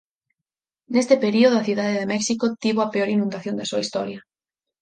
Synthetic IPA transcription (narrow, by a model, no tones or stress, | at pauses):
nest̪epeɾioðoaθiðaðeðemɛksikot̪iβoɐpeoɾinũnd̪aθjond̪asuɐist̪ɔɾjɐ